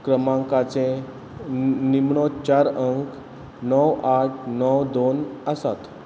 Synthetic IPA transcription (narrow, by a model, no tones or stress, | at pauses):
kɾəmãŋkat͡sẽ | nimɳɔt͡ʃaɾəŋk | nɔwaʈʰnɔwd̪onasat̪